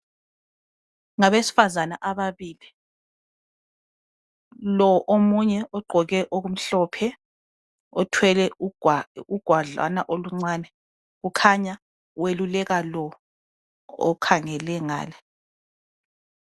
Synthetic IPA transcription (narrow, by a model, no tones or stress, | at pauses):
ŋaβesi̥fazanaʔaβaβiːli | lɔʔomuɲɛʔɔɡ͡ǃʱɔɣɛʔoɣum̩ɬɔpʰɛ | ɔtʰwɛlɛuuɡ̥ʱwaɮa̰naʔoluŋ͡ǀwaːnɛ | ɣukʰaɲa | welulɛɣalɔ | ɔ̰kʰaŋɛlɛŋa̰ːlɛ